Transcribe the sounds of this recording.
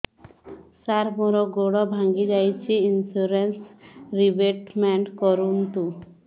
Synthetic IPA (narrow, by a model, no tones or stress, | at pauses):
saɾmɔɾɔɡoɽɔbʱaŋɡid͡ʒajt͡ɕʰiinsuɾensɾibeʈmɛɳʈkɔɾunt̪u